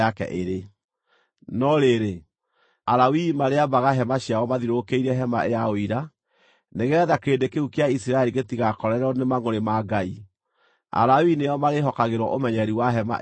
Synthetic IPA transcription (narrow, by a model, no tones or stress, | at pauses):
akɛ̰ʔeɾe | nɔɾeɾe | aɾawimaɾeabaɣaɦɛmaɕjawɔmaðiɾokeiɾɛɦɛma̰ʔejaoiɾa | neɣɛːðakeːdekeukeaisiɾaɛɾiɣetiɣakɔɾɛɾɔnemaŋoɾemaɡai | a̰ɾawineɔmaɾeɦɔkaɣeɾwɔʔomɛɲɛɾiwaɦɛma̰